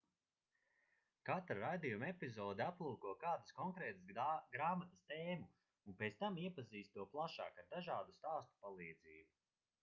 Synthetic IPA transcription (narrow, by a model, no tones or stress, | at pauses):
kat̪ɾaɾajd̪ijumɛpizɔːd̪iaplˠuːkuɔkaːd̪askɔŋkɾɛːt̪ɨsɡɾaːmat̪ast̪eːmu | unpet̪st̪amiɛpaziːst̪uɔplˠaʃa̰ːkaɾd̪aʒaːd̪ust̪aːst̪u̥palˠiːd̪ziːbu